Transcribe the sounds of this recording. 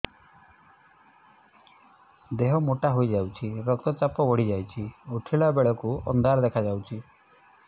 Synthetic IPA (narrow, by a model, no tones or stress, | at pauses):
d̪eɦɔmoʈaɦojd͡ʒawt͡ʃʰiekɔkt̪ɔt͡ʃapɔbɔɽid͡ʒajt͡ʃʰiuʈʰiɭabeɭɔkuɔ̰nd̪aɾd̪ekʰad͡ʒawt͡ʃʰi